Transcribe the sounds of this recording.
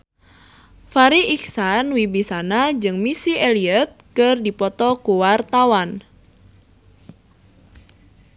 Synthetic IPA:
faɾiʔiksanwibisanad͡ʒɨŋmisiʔeliət̪̚kɨrdipɔt̪ɔkuwart̪awan

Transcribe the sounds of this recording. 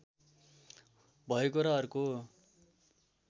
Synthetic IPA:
bʱʌjekoɾaʌɾuko

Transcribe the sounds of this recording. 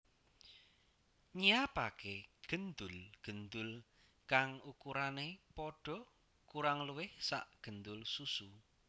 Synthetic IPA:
ɲijapa̰keɡ̥ə̤nd̪ʊlɡ̥ə̤nd̪ʊl | kaŋukuɾanepɔɖ̥ɔ̤ | kuɾaŋluwɪhsa̰ʔɡ̥ə̤nd̪ʊlsusu

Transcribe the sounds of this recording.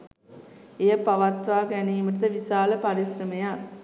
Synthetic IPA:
ejɐpːaʋat̪ʋaːɡæniːməʈ̬ɐd̪əʋisaːləpaɾisrəmeja

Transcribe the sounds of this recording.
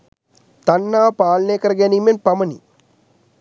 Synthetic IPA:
t̪anːaːpaːlɐneːkəɾəɡæniːmenpaməni

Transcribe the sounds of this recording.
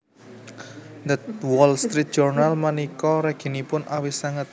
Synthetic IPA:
nd̪ət̪wɔlst̪ɾit̪̚dd͡ʒ̥ɔrnalmanikɔɾɛɡ̥i̤nipʊnʔawisaŋət̪̚

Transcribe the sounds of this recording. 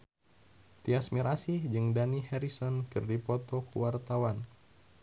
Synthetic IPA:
t̪iasmiɾasihd͡ʒɨŋdanihɛɾisɔnkɨrdipɔt̪ɔkuwart̪awan

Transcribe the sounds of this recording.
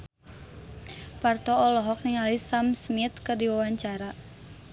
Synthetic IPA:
part̪ɔːlɔɦɔk̚niŋalisamsmit̪̚kɨrdiwawaɲt͡ʃaɾa

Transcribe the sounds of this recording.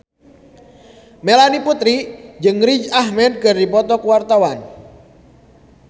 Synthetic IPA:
melaniput̪ɾid͡ʒɨŋrid͡ʒahmɛd̪̚kərdipɔt̪ɔkuwart̪awan

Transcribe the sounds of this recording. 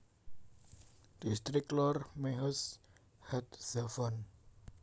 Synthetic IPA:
d̪̥ist̪ɾiklɔrmeɦəs | hɛt̪̚z̥afɔn

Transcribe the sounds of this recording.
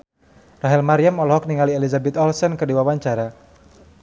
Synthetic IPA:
raɦɛlmaɾiamɔlɔɦɔk̚niŋalielizabɛt̪ɔlsɔnkərdiwawaɲt͡ʃaɾa

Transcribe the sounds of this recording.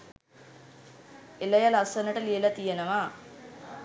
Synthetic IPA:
elɐjalasɐnəʈəlijelat̪ijenəʋa

